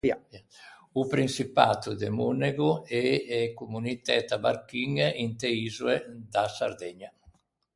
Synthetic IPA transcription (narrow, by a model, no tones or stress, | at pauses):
aupɾinsipaːt̪ud̪emuneɡuɛɛkumunit̪ɛt̪aba̰ɾkiŋint̪eizued̪asa̰ɾd̪ɛɲa